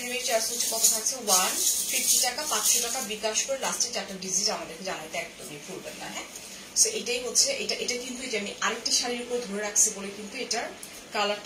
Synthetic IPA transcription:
numeɾit͡ɕaɾsot͡ɕʰekɔt̪ʰot̪ʰak̚t͡ɕʰewanfʰifʈiʈakapat͡ɕʃoʈakabikaʃkoɾelast͡ɕed͡ʑaɛk̚ʈaɖid͡ʑiʈamad̪eɾked͡ʑanajt̪eɛk̚t̪omikuɾbenːa̰ɦɛ̃ | soʔejʈajɦotːt͡ɕʰeʔeʈaʔeʈakint̪ued͡ʑamiʔaɾek̚ʈiʃaɾiɾupoɾd̪ʱoɾeɾakʰt͡ɕʰebolekint̪ueʈaɾ | kala

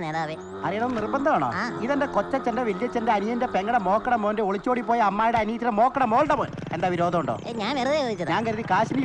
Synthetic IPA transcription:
neːðaːʋe | ɐrijɐnonnirbɐnd̪ɐmaːɳo̰ːiðendekotːɐt͡ɕendeʋelijɐt͡ɕːendeɐnijɐndepeŋɡɐɽɐmo̞ːkːɐɳɐmoːndeoɭit͡ɕːoːɽipːo̞ːjɐɐmːaːjuɽeɐniːt̪ːiɽemo̞ːkːɐɳɐmoːlɖɐmoːn | end̪aːʋiɾo̞ːd̪ʱɐmuɳɖo̰ːɲaːnʋerɐðɐjoːd̪it͡ɕːɐðɲaːnkɐɾuðikaːɕini

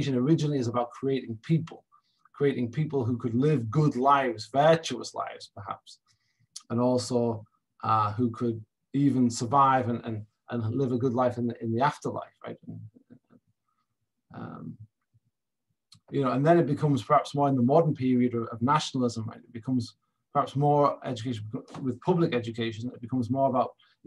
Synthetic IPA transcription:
ʃɨ̃nə˞ɪd͡ʒɨ̃nl̩ˠiɨzəbaʊt̚kʰɹ̥ieɪɾɪ̃ŋpʰipʰəl̩ˠ | kʰɹ̥ieɪɾɪ̃ŋpʰipəl̩ˠɦukʰɨdˡlɪvɡʊdˡlaɪvzvɜ˞t͡ʃʉəsla̰ɪvz̥pʰə˞ha̰ps | ə̃nɔˑlˠsoʊ | ʔʌɦʉkʰəd̚ | iːvə̃nsə˞vaɪvə̃nə̃n | ʔə̃nlɪvəɡʊdˡlaɪfɨ̃nɪ̃nðiaftə˞la̰ɪfɹa̰ɪtə̃ñ | ʔʌ̰̃m | jɨnoʊə̃nðə̃nɪʔ̚b̥ɪkʰʌ̃mz̥pʰə˞hapsmɔːɹɪ̃nðəmɔdə̃npʰɪɹiəɾəəvnaʃnl̩ˠɪzə̃mɹa̰ɪɪʔ̚b̥ɪkʰʌ̃mz̥ | pʰə˞hapsmɔɹɛ̰d͡ʒɨkʰeɪʃə̃nbkwɪð̥pʰʊblˠɪkɛd͡ʒɨkʰeɪʃə̃nɪ̰ʔ̚b̥ɪkʰʌ̃mzmɔːɹəbaʊʔ

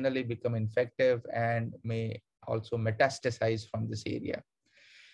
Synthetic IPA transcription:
nəlibɪkʌ̃mɪ̃nfɛk̚ʈɪʋɛ̃ɳɖmeː | ʔɔ̰ːlsoːmɛʈæsʈəsaɪzfɾɔ̃md̪ɪsḛːɾḭa̰

